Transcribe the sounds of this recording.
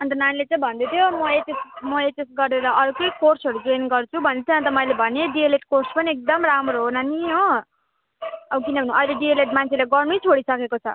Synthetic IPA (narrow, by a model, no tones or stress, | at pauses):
ʌnt̪ʌnanilet͡sãĩbʱʌnd̪et̪ʰjomʌet̪esmʌet̪esɡʌrd̪eɾʌʔʌɾukʌjkorsʌɾud͡zenɡʌrt͡sʰubʱʌnet̪ʰʌãt̪ʌmʌilebʱʌneɖieleʈkorspʌniek̚d̪ʌmramroɦonaniɦo | ʌbkinʌbʱʌnũʌjleɖieleʈ̚mant͡sʰelaɡʌrnujt͡sʰoɽisʌkekot͡sʰʌ̰